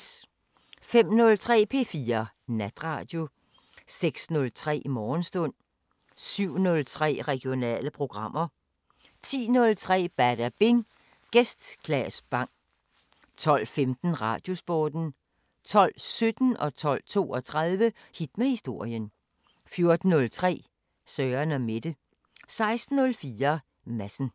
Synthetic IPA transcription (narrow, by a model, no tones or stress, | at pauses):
fem̰nɔ̽lt͡sʰʁɛ̰ːpʰe̝̰ːfiːɐ | næd̥ʁɑ̰̈ːd̥jo̝ | seɡ̥snɔ̽lt͡sʰʁɛ̰ːmɒːnsd̥ɔ̽n̰ | syʊ̰nɔ̽lt͡sʰʁɛ̰ːʁɛɡ̥jo̝nɛ̰ːləpʰʁo̝ɡ̥ʁɑ̈m̰ɐ | t͡sʰḭːnɔ̽lt͡sʰʁɛ̰ːb̥æd̥æb̥e̝ŋ | ɡ̥esd̥ɡ̥ʰlɛsb̥ɑ̈ŋ̰ | t͡sʰɒ̽l̰femd̥n̩ʁɑ̰̈d̥jo̝sb̥ɒːd̥n̩ | t͡sʰɒ̽l̰sød̥n̩ɒ̽t͡sʰɒ̽l̰t͡sʰo̝̰ːɒt͡sʰʁɑðˠʋə | hid̥mæhisd̥o̝ɐ̰jən | fjo̝ɐd̥n̩ːɔ̽lt͡sʰʁɛ̰ː | sœːɐnɒme̝d̥ə | sɑ̈ɪsd̥n̩ːɔ̽lfiːɐ | mæsn̩